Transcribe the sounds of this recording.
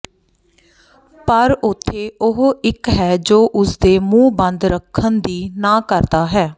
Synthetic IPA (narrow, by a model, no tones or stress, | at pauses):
pəɾʊt̪ʰːeːʊɦɪkɦɛːd͡ʒoːʔʊsd̪eːmũːbə̃nd̪ɾəkʰːənd̪iːnaːkəɾd̪aːɦɛː